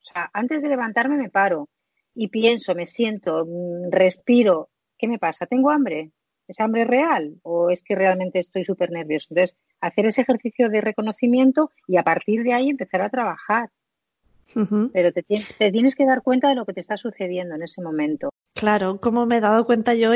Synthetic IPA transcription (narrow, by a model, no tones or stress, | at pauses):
oseaʔant̪e̞zðe̞le̞β̞ant̪aɾme̞me̞paɾo̞ | ipje̞nso̞me̞sje̞nt̪o̞re̞spiɾo̞ | ke̞me̞pasat̪e̞ŋɡo̞ambɾe̞ | esambɾe̞re̞aloe̞ske̞re̞almẽ̞nt̪e̞ːst̪o̞jsupe̞ɾne̞ɾβjo̞sont̪oθes | aθe̞ɾe̞sexe̞ɾθiθjo̞ðe̞re̞ko̞no̞θimjẽ̞nt̪o̞ | iapaɾt̪iɾð̞eaie̞mpe̞θaɾat̪ɾaβaxaɾ̩ | pe̞ɾo̞t̪et̪jet̪et̪je̞neske̞ðaɾkwe̞nt̪aðe̞lo̞ke̞t̪e̞st̪asuθe̞ðje̞nd̪oene̞semõ̞mẽ̞nt̪o̞ | klaɾokomomeðaðokwe̞nt̪aʝo